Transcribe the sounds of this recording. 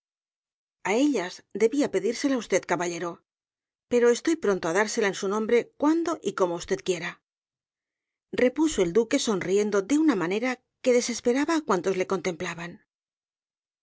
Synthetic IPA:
ae̞ʎazd̪e̞βiape̞ðiɾse̞laust̪e̞ðkaβaʎe̞ɾo̞ | pe̞ɾo̞est̪o̞jpɾo̞nt̪oaðaɾse̞laensunõmbɾe̞kwand̪o̞ʔiko̞moust̪e̞ð̚kje̞ɾa | re̞pusoe̞ld̪uke̞so̞nrie̞nd̪o̞ðe̞unamane̞ɾa | ke̞ðe̞se̞spe̞ɾaβaːkwant̪o̞zle̞ko̞nt̪e̞mplaβan

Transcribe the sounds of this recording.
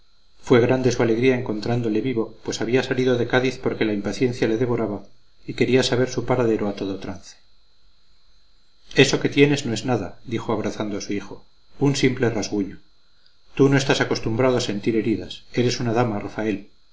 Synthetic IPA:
fwe̞ɣɾand̪e̞suale̞ɣɾiaeŋko̞nt̪ɾand̪o̞le̞βiβo̞pwe̞saβiasaliðo̞ðe̞kaðiθpo̞ɾke̞laimpaθje̞n̟θjale̞ðe̞βo̞ɾaβa | ike̞ɾiasaβ̞e̞ɾsupaɾaðe̞ɾoat̪o̞ðot̪ɾanθe̥ | e̞so̞ke̞t̪je̞ne̞zno̞e̞znaðad̪ixoaβɾaθand̪oasuixo̞ | unsimple̞razɣuɲo | t̪uno̞est̪asako̞st̪umbɾað̞oase̞nt̪iɾe̞ɾiðase̞ɾe̞sunaðamarafae̞l

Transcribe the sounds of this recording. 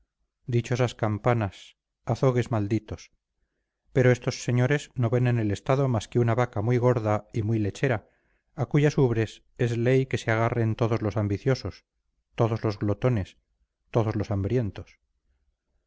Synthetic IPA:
d̪it͡ʃo̞saskampanas | aθo̞ɣe̞zmald̪it̪o̞s | pe̞ɾoe̞st̪o̞sːe̞ɲo̞ɾe̞zno̞βe̞nene̞le̞st̪aðo̞maskeunaβakamujɣ̞o̞ɾðaimujle̞t͡ʃe̞ɾaː | kuʝasuβɾe̞s | e̞zle̞jke̞seaɣ̞are̞nt̪o̞ðozlo̞sambiθjo̞so̞s | t̪o̞ðo̞zlo̞zɣlot̪o̞ne̞s | t̪o̞ðo̞zlo̞sambɾje̞nt̪o̞s

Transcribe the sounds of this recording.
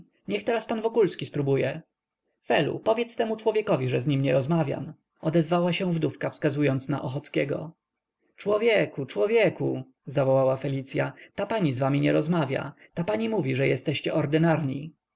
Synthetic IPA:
ɲɛxt̪ɛɾaspanvɔkulskʲispɾubujɛ | fɛlṵpɔvʲjɛt̪st̪ɛmut͡ʂwɔvʲjɛkɔvʲiʐɛzɲimɲɛɾɔzmavʲja̰m | ɔd̪ɛzvawaɕɛ̃w̃vd̪ufkafskazujɔnt̪snaʔɔxɔt̪skʲɛɡɔ̰ | t͡ʂwɔvʲjɛkut͡ʂwɔvʲjɛku | zavɔwawafɛlʲit̪sʲjat̪apaɲizvamʲiɲɛɾɔzmavʲja̰t̪apaɲimuvʲiʐɛjɛst̪ɛɕt͡ɕɛʔɔɾd̪ɘnaɾɲi

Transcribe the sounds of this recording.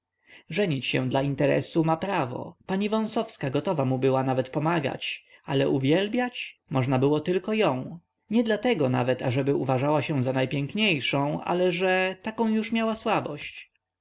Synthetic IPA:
ʐɛɲit͡ɕɕɛ̰̃d̪laint̪ɛɾɛ̰sumapɾavɔ̰paɲivɔ̃w̃sɔfskaɡɔt̪ɔvamubɘwanavɛt̪pɔmaɡa̰t͡ɕa̰lɛʔuvʲjɛlbʲjat͡ɕmɔʐnabɘwɔt̪ɘlkɔjɔ̃w̃ | ɲɛd̪lat̪ɛɡɔna̰vɛt̪aʐɛbɘuvaʐawaɕɛ̃zanajpʲjɛŋkɲejʂɔ̃w̃ʔa̰lɛʐɛt̪akɔ̃w̃juʂmʲjawaswabɔɕt͡ɕ

